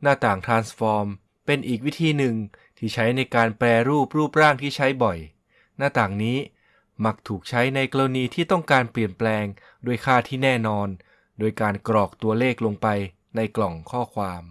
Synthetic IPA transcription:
naː˥˩t̪aː˨˩ŋt̪ʰɾaː˧nsfɔː˧m | pe˧nʔiː˨˩k̚wi˦˥t̪ʰiː˧nɯ˨˧ŋt̪ʰiː˥˩t͡ɕʰa˦˥jna˧jkaː˧npɾɛː˧ɾuː˥˩p̚ɾuː˥˩p̚ɾaː˥˩ŋt̪ʰiː˥˩t͡ɕʰa˦˥jbɔ˨˩j | naː˥˩t̪aː˨˩ŋniː˦˥ | ma˦˥k̚t̪ʰuː˨˩k̚t͡ɕʰa˦˥jna˧jkloː˧niː˧t̪ʰiː˥˩t̪ɔ˥˩ŋkaː˧npli˨˩ənplɛː˧ŋ | do˧˩əjkʰaː˥˩t̪ʰiː˥˩nɛː˥˩nɔː˧n | doː˧jkaː˧nkɾɔː˨˩k̚t̪u˧ɐleː˥˩k̚lo˧ŋpa˧j | na˧jklɔ˨˩ŋkʰɔː˥˩kʰwaː˧m

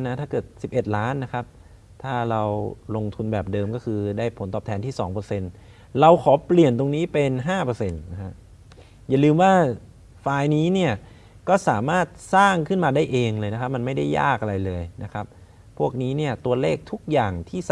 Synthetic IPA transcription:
na˦˥t̪ʰaː˥˩kɤː˨˩t̪̚si˨˩p̚ʔe˨˩t̪̚laː˦˥nːa˦˥kʰa˦˥p̚ | t̪ʰaː˥˩ɾa˧wlo˧ŋt̪ʰu˧nbɛː˨˩p̚dɤː˧mkɔː˥˩kʰɯː˧daː˥˩jpʰo˩˦nt̪ɔː˨˩p̚t̪ʰɛː˩˦nt̪ʰiː˥˩sɔ̰ː˩˦ŋpɤː˧se˧n | ɾa˧wkʰɔː˩˦pli˨˩ənt̪o˧ŋniː˦˥pe˧nɦaː˥˩pɤː˧se˧nna˦˥kʰa˦˥ʔ | ja˨˩˦lɯː˧mwaː˥˩ | faː˧jniː˦˥ni˥˩ɐ | kɔː˥˩saː˩˦maː˥˩t̪̚saː˥˩ŋkʰɯ˥˩nmaː˧daː˥˩jʔeː˧ŋlɤː˧jna˦kʰp̚ma˧nma˥˩jda˥˩jːa̰ː˥˩k̚ʔa˧ɾa˧jlɤː˧jna˦˥kʰa˦˥p̚ʰː | u˥˩ək̚niː˦˥ni˥˩ɐt̪u˧ɐleː˥˩k̚t̪ʰu˦˥k̚jaː˨˩ŋt̪ʰiː˥˩

